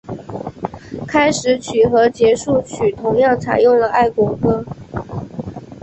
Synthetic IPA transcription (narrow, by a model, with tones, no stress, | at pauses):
kʰa˥ɪʂɻ̩˧˥t͡ɕʰy˨˩xɤ˧˥t͡ɕjɛ˧˥ʂu˥˩t͡ɕʰy˨˩t̪ʰʊ˧˥ŋjɑ˥˩ŋt͡sʰa̰˨˩ɪjʊ˥˩ŋlə˩a˥˩ɪkwɔ˧˥kɤ˥